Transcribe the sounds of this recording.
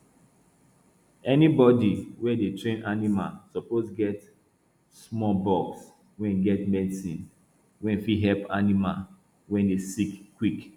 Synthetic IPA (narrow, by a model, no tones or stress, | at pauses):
ɛnibɔdiwɛdetʰɹẽnʔanima̰lsɔposɡɛt | smɔbɔks | wɛ̃nɡɛtmɛdsĩn | wɛ̃nfiɦɛlpanimal | wɛ̃ndesikːwik